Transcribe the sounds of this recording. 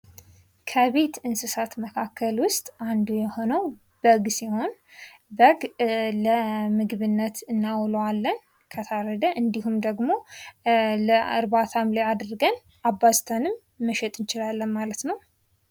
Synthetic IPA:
kʰəβe̞t̪ɨnsɨsat̪məkʰakʰːəlwʊst̪ʼand̪ujɛho̞nəw | b̥əɡsiho̞n | bəɡləmɨɡɨβɨnːət̪ʰɨnːawlwalːən | kʰət̪ʰaɾəd̪əʔɨnd̪ihumd̪əɡmo̞ | ləɨ̰ɾβat̪ʰamlead̪ɾɨɡən | abast̪ʰənɨmː | əʃɛt̪ʼɨnt͡ʃɪlalːənmalət̪nəw

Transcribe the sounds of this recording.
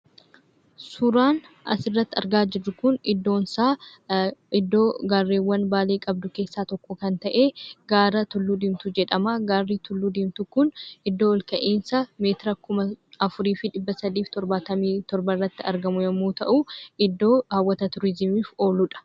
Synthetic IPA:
sʊɾaːnɐ̰sɪrːɐt̪ːɪɐ̰ɾɡaːd͡ʒɪrːʊkʊnɪd̪ːo̞ːnsaː | ɪd̪ːoːɡaːrːeːwːɐnbaːleːkʼɐb̚d̪ʊke̞ːsːaːt̪ɔkːɔkɐnt̪ɐʔeːɡaːɾɐt̪ʊlːud̪ɪmt̪ʊd͡ʒɛᶑɐmaɡaːrːiːt̪ʊlːud̪ɪmt̪ʊkʊnɪd̪ːo̞ːɔlkɐʔeːnsɐme̞ːt̪ɪɾɐkʊmɐɐfʊɾiːfɪᶑɪbːɐsɐd̪iːft̪ɔɾbaːt̪ɐmiːt̪ɔɾbɐrːɐt̪ːɪɐɾɡɐmʊjɐmuːt̪ɐʔuːʔɪd̪ːo̞ːɐwːɐt̪ɐt̪ʊɾɪzɪmiːfo̞ːlːʊᶑɐ̥

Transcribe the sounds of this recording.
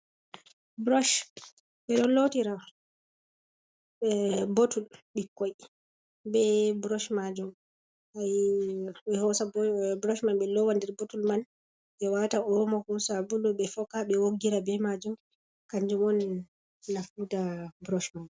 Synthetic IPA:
bɾɔʃ | ɓɛɗɔlotiɾa | ɛbotulɓikːɔj | bɛbɾɔʃmad͡ʒum | haj | ɓɛhɔsabɾɔʃmanɓɛlɔwandiɾbotulman | ɓɛwataɔmɔkɔsabulɔɓɛfɔkaɓɛwoɡːiɾabɛmad͡ʒum | kaɲd͡ʒumɔnː | afutabɾɔʃmad͡ʒu

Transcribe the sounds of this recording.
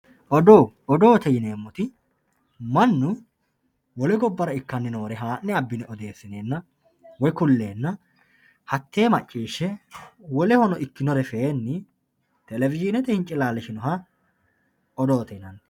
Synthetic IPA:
ʔɔd̪oːɔd̪oːt̪ɛjɪneːmːɔt̪ɪ | mɐnːʊ | wɔlɪɡɔbːɐɾɐɪkːɐnːɪnoːɾɛɦaːnːɛɐbːɪnɛɔd̪e̞ːsːɪne̞ːnːɐ | wɔjkʊlːe̞ːnːɐ | hɐt̪ːeːmɐt͡ʃʼːiːʃːɛwɔlɛhɔnɔʔɪkːɪnɔɾɛfeːnːɪ | t̪ɛlɛvɪd͡ʒɪnɛt̪ɛhɪnt͡ʃʼːɪlaːlːɛʃɪnɔɦɐ | ɔd̪oːt̪ɛjnɐn

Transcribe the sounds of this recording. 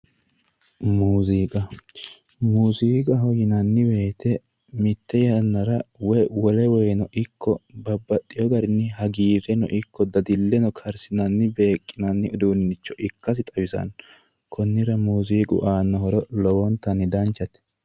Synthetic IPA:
muːziːkʼɐ | muːziːkʼɐɦɔjɪnɐnːɪwe̞ːt̪ɛ | mɪt̪ːɛjɐnːɐɾɐwɛjwɔlɛwɛjnɔʔɪkʰːɔbɐbːɐt̪ʼːɪjɔɡɐɾɪnːɪhɐɡiːɾɛnɔ̰ʔɪkːɔd̪ɐd̪ɪlːɛnɔkʰɐɾsɪnɐnːɪbe̞ːkʼːɪnɐnːɪɔd̪uːnɪnɪt͡ʃːɔʔɪkːɐs̬ɪt̪ʼɐwɪzɐ̰n | kʰɔnːɪɾɐmuːziːkʼʊ̰ʔaːnːɔɦɔɾɔlɔwɔnt̪ːɐnːɪd̪ɐnt͡ʃːɐt̪ɛ̥

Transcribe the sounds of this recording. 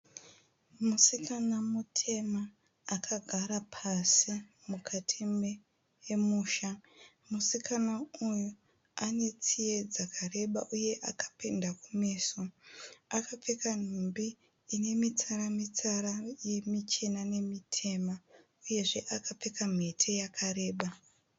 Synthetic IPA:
musikanamutʰe̞maː | kʰaɡʱaɾapʰasi | mukʰatʰime | emuːʃa | musikʰanauju | ane̞t͡sije̞d͡zakʰare̞ɓaʔuje̞ʔakḁpendakumeːsoakap͡fekan̤umbiː | ne̞mit͡saɾamit͡saɾajemit͡ʃe̞nane̞mitʰe̞ma | uje̞ʐe̞ʔakap͡fe̞kam̤e̞tʰe̞jakʰaɾe̞ːɓa

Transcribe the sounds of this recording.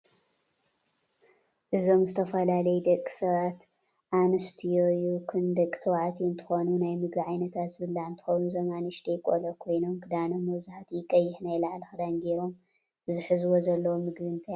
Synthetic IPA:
ʔɨzo̞mzɨt̪ʰɐfɐlalɐjɛd̪ɐkʼːi̥sɐβat̪ | ʔanɨst̪ʰijojukʰɨnd̪ɐkʼi̥t̪ʰɐwʕat̪ʰiɨnt̪ʰɨ̥xonunajmɨɡbiʕajnɐt̪ʰat̪sɨβɨlːaɨnt̪ʰɨ̥xownuzɐmanɨʃt̪ʰejkʼolɐkʰo̞jno̞mkʰɨd̪anɐmɐwzɨħat̪jɪkʼːɐjːɪħnajlaʕlɨxɨd̪anɡeɾo̞m | ɨzɨħɨzɨwozɐlːɐwomɨɡβɨnt̪ʰaj

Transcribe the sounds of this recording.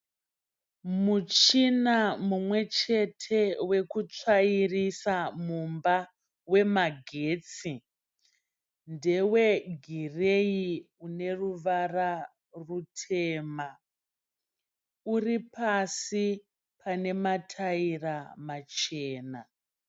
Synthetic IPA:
mut͡ʃinamumwe̞t͡ʃe̞tʰe̞we̞kut͡ʂairisamumba | we̞maɡʱeːt͡si | nde̞we̞ɡʱirei | une̞ruʋara | rutʰe̞ːma | uripasi | pʰane̞matʰairamat͡ʃeːna

